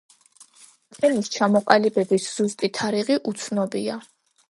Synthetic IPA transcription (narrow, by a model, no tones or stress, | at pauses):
t̪ʼʰɛnist͡ʃʰamɔqʼalibɛbisz̥ust̪ʼit̪ʰaɾiʁiʔut̪sʰnɔbia